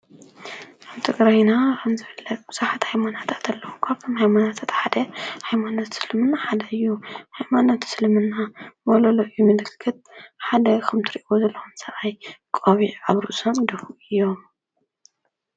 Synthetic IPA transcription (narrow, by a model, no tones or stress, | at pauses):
kʰaβt̪ʰɨɡɾajnakʰɐmzɨfɨlːɐt̪b̥ɨzaħat̪hajmanat̪ʰat̪ʰɐlːɐwukʰaβt̪ʰomhajmanat̪ʰat̪ħad̪ɐhajmanot̪sɨlɨmɨnːaħad̪ɐɨjːuhajmanot̪sɨlmɨnːamololoʔɨjːumɨlɨkʰːɨt̪̚ħad̪ɐkʰɐmt̪ʰɨɾiʔiozɐlːɐxumsɐʔajkʼoβiʕaβɾuʔsɐmd̪ɐfuɨjːo̞m